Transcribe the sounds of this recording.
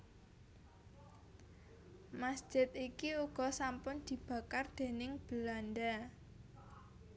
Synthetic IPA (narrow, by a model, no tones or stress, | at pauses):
masd̥ʒ̥ɪt̪ikiuɡ̥ɔ̤sampʊnd̪̥i̤b̥ä̤kard̪̥e̤nɪŋb̥ə̤land̪a